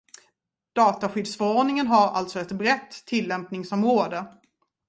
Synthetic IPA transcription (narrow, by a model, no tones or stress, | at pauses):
d̪̥ɑːt̪aɧʏd̪sfœɾɔɖnɪŋənɦaɾa̰lt̪sɔɛt̪bɾɛt̪ʰːɪlːɛmpnɪŋsɔmɾoːd̪ə